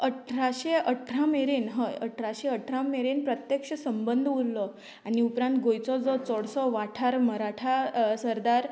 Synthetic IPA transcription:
əʈʰɾaɕeəʈʰɾameɾenɦəjə̰ʈʰɾaɕeəʈʰɾameɾenpɾət̪jekʂəsəmbənd̪ʱulːɔ | aniupɾãnt̪ɡojt͡sɔd͡zɔt͡sɔɽsɔʋaʈʰaɾməɾaʈʰasəɾd̪aɾ

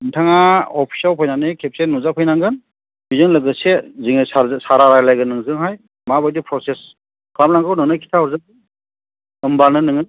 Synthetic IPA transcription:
ɯntʰaŋaɔpʰi̥sawpʰajnanɯjkʰep̚senuzapʰɯjnaŋɡɯn | bizɯŋlɯɡɯseziŋɯsasaɾaɾajlajɡɯnːɯŋzɯŋɦaj | mabajdipʰɾɔses | kʰlamnaŋɡɯwnɯŋnɯjkʰi̥tʰaɔɾzadɯ | ɯmbanɯnɯŋɯ

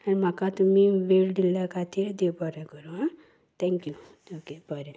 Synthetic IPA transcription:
anim̤akat̪umiʋeld̪iljakat̪iɾd̪ebɔɾakəɾoɦã | t̪ʰɛ̃ŋkju | okebʱəɾe

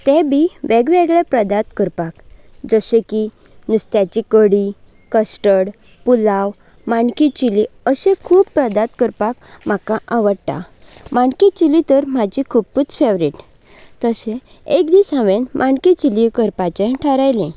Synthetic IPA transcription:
t̪ẽbʱiʋeɡʋeɡɭepɾəd̪at̪kəɾpak | d͡zəsẽki | nust̪jat͡ɕikəɽi | kəsʈəɽ | pulaw | maɳkit͡ɕiliəsẽkʰuːbpːɾəd̪at̪kəɾpakm̤akaʔaʋəɽʈ̪a̰ | maɳkit͡ɕilit̪əɾm̤ad͡ʑikʰubput͡sfeʋɾiʈ | t̪əsẽ | ekd̪isãʋenmʔaɳkit͡ɕilikəɾpat͡ɕẽʈʰəɾajlẽ

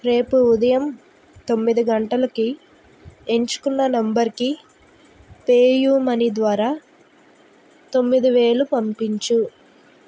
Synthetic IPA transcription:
ɾe̞ːpuːd̪ɐjɐm | t̪o̞mːid̪iɡɐɳʈɐlɐki | e̞ɲt͡ʃu̥kunːɐnɐmbɐɾki | peːjuːmɐnid̪ʋaːɾaː | t̪o̞mːid̪iʋe̞ːlupɐmpiɲt͡ʃu

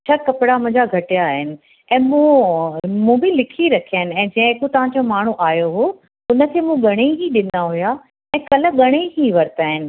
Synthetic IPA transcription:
t͡ɕʰakɐpɪɽamʊ̃d͡ʑaɡʱɐʈijaːɦɪnɪ̆ | ɛ̃ːmũ | mũːbɪlɪkʰiɾɐkʰijanɪ̆ɛ̃ːd͡ʑɐ̃ːɦekot̪ɐʋ̤ãɲd͡ʑomaːɳ̤uʔaːjoɦoː | ʊnə̆kʰeːmũɠɐɽ̃eɦiɗɪnaɦuja | ɛ̃ːkɐlə̆ɠɐɽ̃eɦiʋɐɾt̪aːɦɪnɪ̆

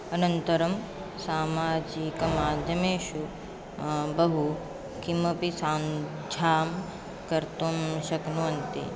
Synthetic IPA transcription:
ɐnɐnt̪ɐɾɐm | saːmaːd͡ʒikɐmaːd̪jɐmeːʃu | bɐɦu | kʰimɐpisaːn | d͡ʒʱaːm | kɐɾt̪omʃɐknuɐnt̪ḭ

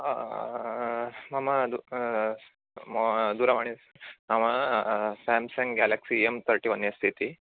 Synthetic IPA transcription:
mamad̪u | md̪uɾamaɳ̃i | mamasɛmsɛ̃ŋɡɛlaksiemt̪ʰəɾʈiʋənːest̪ʰit̪i

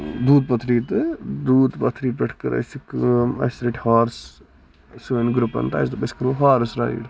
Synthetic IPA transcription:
d̪uːd̪̚pɐt̪ʰɾiːt̪ɨd̪uːd̪pɐt̪ʰɾiːpɐʈʰkɐɾʔɐ̰sikɐ̰sɾɐʈʰhaːɾs | suʋenɡɾupɐ̰nt̪a̰ːst̪ɨbɐskɐɾoːɦaːɾsɾa̰ːjḭɽ

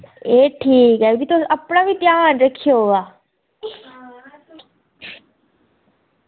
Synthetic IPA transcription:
eːʈʰiːkɛbit̪oəpnaʋiːt̪jaːnɾəkʰːijoɦoaː

